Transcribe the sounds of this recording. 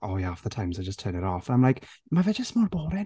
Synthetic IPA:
oːjaɔfðətʰãɪ̃mzaɪd͡ʒəstʰɜːnɪɾɔfaɪ̃mlajkmavɛd͡ʒəsmɔɹbɔːɾɛ

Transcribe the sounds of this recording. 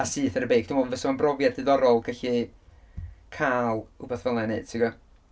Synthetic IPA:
asɨːθəɾəbejkd̥ɪmɔvəsmanbrɔvjadɨðɔɾɔlˠɡ̥ʰaɬi | kʰaːlˠhubaθvəlˠɛne̥ːtʰiɡɔ

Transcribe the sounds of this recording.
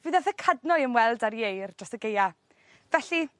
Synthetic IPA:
vɨðaθəkʰadnɔɨənwɛlˠdaɾjejrd͡ʒasəɡeja | vɛɬi

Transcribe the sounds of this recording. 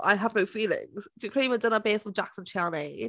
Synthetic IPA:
ʔa̰ɪəvnoʊfiːlɪ̰̃ŋz̥d̥əkʰɹ̥ĩːmədɪnəbɪːfɹə̃md͡ʒaksə̃nʃʰɛlˠmeɪ

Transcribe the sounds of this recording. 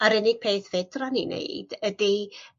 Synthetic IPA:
aɾɪnɪɡ̥̚pʰeːθvedraninḛɨd̥ədi

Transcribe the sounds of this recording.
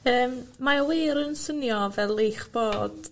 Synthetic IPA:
əːmmaweːɾənsənjɔvɛlˠejχb̥oːd̥

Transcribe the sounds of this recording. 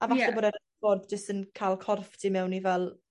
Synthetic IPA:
avaɬɛoːdɛɾ | fɔdd͡ʒəstənkʰalˠkʰɔrftʰimɛwnivɛlˠ

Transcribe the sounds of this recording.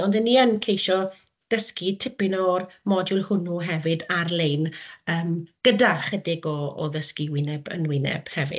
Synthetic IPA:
ɔndənːiənkʰejʃɔ | d̥əskitʰɪpɪnɔrmɔdjʊlˠhʊnuɦɛvɨdarlejnəːmɡ̥ədaχədɪɡɔ̰ːðəskiwɪnɛbə̰nwɪnɛ̰b̥hɛvɪ̰

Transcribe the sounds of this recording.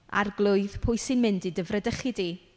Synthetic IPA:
a̰rɡlˠʊɨðpʰʊɨsɪnmɪndidəvrədəχɪdi

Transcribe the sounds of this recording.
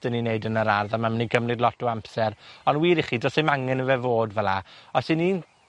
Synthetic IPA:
d̥ənineɨdənəɾarðamaməniɡəmrɨdlˠɔtuampsɛɾɔnwiːɾiχidɔsemaŋɛnəvɛvoːdvɛlˠaɔsɪniːn

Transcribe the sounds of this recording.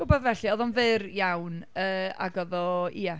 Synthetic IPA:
ɡ̥ʊbɔðvɛɬiɔðɔnvɨrjawnəːa̰ɡɔðɔia

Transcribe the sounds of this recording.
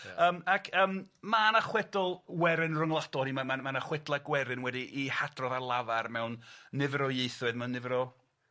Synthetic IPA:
əːmakʰəːmmanaχwɛdɔlˠwɛɾɨnrʊŋlˠadɔnimamamanaχwɛdlˠaɡwɛɾɨnwɛdiʔihad̥rɔðarlˠavarmɛwnːɪvɾɔjejθwɨðmɛwnːɪvɾɔ

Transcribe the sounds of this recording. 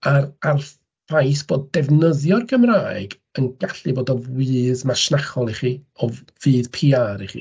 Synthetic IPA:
aɾar | v̥ajsb̥oːdːɛvnəðjɔrɡəmraːɨɡ | ənɡaɬɨboːdɔwɨːðmaʃnaχɔlˠiχiɔ | vɨːðpʰiːaɾiχḭ

